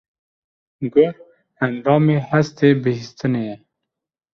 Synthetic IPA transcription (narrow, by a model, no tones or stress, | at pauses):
ɡʊɾ | ænd̪ɑːmeːhæst̪eːbɨhist̪ɨnejɛ